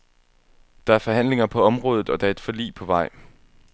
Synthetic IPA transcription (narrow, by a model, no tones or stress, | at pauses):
d̥ɑ̈æɐfɒ̽ɦæn̰le̝ŋɐpʰɒ̽ɒ̽mʁɔːðˠð̩ˠɒ̽d̥ɑ̈ɐe̝d̥fɒ̽lḭːpʰɒ̽ʋɑ̈ɪ̰